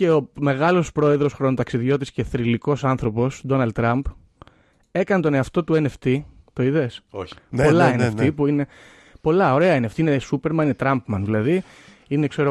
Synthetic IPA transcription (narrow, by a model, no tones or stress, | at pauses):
e̞ome̞ɣɐlo̞spɾo̞e̞ðɾo̞sxɾonot̪ɐksiðʝo̞t̪̬isce̞θɾiliko̞sɐnθɾo̞po̞sd̪o̞nɐld̪̚t̪ːɾɐmp | e̞kɐnet̪o̞ne̞ɐft̪o̞t̪uene̞ft̪it̪o̞iðe̞so̥po̞lɐeneft̪ipuine̞ | po̞lɐo̞ɾe̞ɐineft̪iinesupe̞ɾmɐninet̪ɾɐmpmɐnðilɐði | inekse̞ɾo